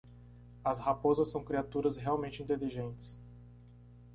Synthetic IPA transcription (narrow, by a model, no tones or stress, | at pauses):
ɐshapozɐsːɐ̃w̃kɾiat̪uɾɐsɦeawmẽnt͡ʃɪĩnt̪eliʒẽnt͡ʃɪ̥s